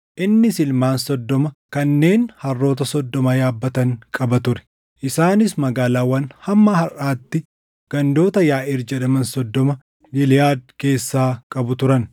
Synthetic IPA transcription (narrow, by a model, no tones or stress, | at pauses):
ʔɪnːɪsɪlmaːnsɔd̪ːɔmɐkɐnːe̞ːnhɐrːo̞ːt̪̬ɐsɔd̪ːɔmɐjaːbːɐt̪ɐŋkʼɐbɐt̪ʊɾɛ̥ | ʔɪsaːnɪs̬mɐɡaːlaːwːɐnhɐmːɐhɐraːt̪ːɪ | ɡ̥ɐnd̪o̞ːt̪ɐjaːʔɪɾd͡ʒɐᶑɐmɐnsɔd̪ːɔmɐ | ɡɪlɪjaːd̪̚ke̞ːsːaːkʼɐbʊt̪ʊɾɐn